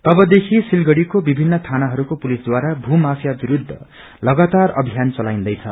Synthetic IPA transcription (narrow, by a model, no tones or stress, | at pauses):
t̪ʌbʌd̪ekʰisilɡʌɽikobibʱinːʌt̪ʰanaɦʌɾukopulisd̪waɾabʱumafʰjabiɾud̪ʱːʌ̰ | lʌɡat̪arʌ̰bʱijant͡sʌlaj̃nd̪ʌjt͡sʰʌ̰